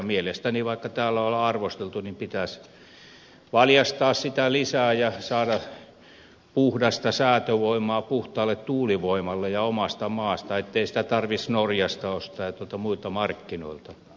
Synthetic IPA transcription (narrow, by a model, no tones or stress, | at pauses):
mielest̪æniʋɑikːɑt̪æːlːæolɑrʋost̪elt̪unimpit̪æs | ʋɑljɑst̪ɑːssit̪ælisæːjɑsɑːdɑ | puhdɑst̪ɑsæːt̪øʋoimˑɑːpuht̪ɑːlːet̪t̪uːliʋoimɑlːejɑomɑst̪ɑmɑːst̪ɑet̪ːeisi̥t̪æt̪ɑrʋisnorjɑst̪ɑost̪ɑːjɑt̪uolt̪ɑmuilt̪ɑmɑrkːino̰ilt̪ɑ